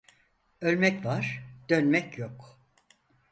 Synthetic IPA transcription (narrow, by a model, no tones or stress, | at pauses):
ølʲmɛcvaɾ̥d̪̥ønmɛcʰjok